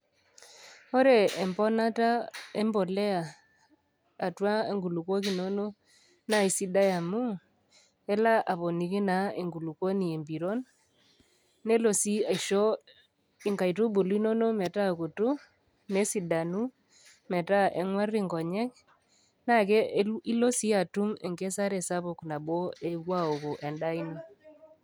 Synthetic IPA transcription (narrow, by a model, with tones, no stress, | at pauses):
o˦ɾe˨e˨mpɔ˦na˦ta˦e˦mbo˨lɛ˦a˨ | twa˦e˨ŋɡu˨lu˨ko˦k̬i˨no˦no˦ | na˦˨i˨si˦da˦ja˨mu˦ | ɛ˦la˦ʔa˨po˨ni˨ki˦na˨˦e˨ŋɡu˨lu˨ko˦ni˨e˨mbi˨ɾo˦n | e˦lo˨si˦a˨i˨ʃo˦ | i˨ŋɡa˨jtu˦bu˨li˦no˦no˦mɛ˨ta˦˨ku˨tu˦ | ne˦si˨da˨nu˦ | mɛ˨ta˦ʔe˨ŋwa˦ri˦ŋɡɔ˨ɲɛ˦k̚ | na˦˨ke˦i˦lo˦si˦a˨tu˦me˨ŋɡe˦sa˦ɾe˨sa˦βʊ˨kna˨bo˦e˦kwa˦o˨ko˨ʔe˨nda˦i˦no˨